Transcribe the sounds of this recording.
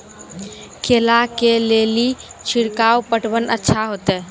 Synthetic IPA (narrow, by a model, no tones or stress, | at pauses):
kʰelakelelit͡ʃʰiɽkawpəʈbənətːʃʰaɦot̪e